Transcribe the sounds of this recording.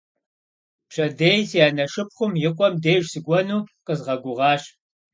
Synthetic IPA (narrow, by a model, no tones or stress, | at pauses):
pɕɐdeːjsijaːnɐʂɨp̚χʷʊmjɪqʷʼɔmdeːjʒsɨɡʷɔnuːqəzʁɐɡʷʊʁɑːʃ